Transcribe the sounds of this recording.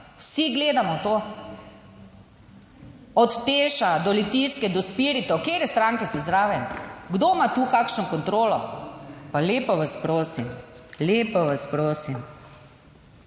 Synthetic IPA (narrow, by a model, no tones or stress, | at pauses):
wsiɡleːd̪amɔt̪o | ɔt̪ːeːʃad̪ɔlit̪iskɛd̪ɔspiɾit̪ɔkeːɾɛst̪ɾaŋkɛsɛzɾaːʋɛmɡd̪omat̪uːkakʃnɔkɔnt̪ɾoːlɔpaleːpɔʋaspɾoːsimleːpɔʋaspɾoːsim